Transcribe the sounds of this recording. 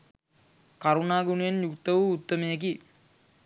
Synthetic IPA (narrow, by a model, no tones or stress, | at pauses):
kaɾunaːɡunujenjukt̪ːɐʋuːt̪ːɐmejək̬i